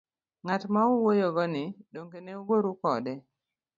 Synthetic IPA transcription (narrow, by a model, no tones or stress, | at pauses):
ŋatmauwojoɡɔnɪdoŋkeneuwoɾukɔdɛ